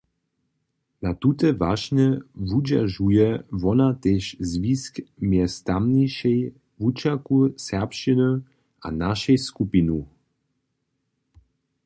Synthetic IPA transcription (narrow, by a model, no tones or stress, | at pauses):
nat̪ut̪ɛvaʃɲɛvud͡ʒa̰ʒujɛvɔnat̪eʃzviskmjɛst̪amniʃɛj | vut͡ʃakusɛʁpʃt͡ʃinə | a̰naʃɛjskupinu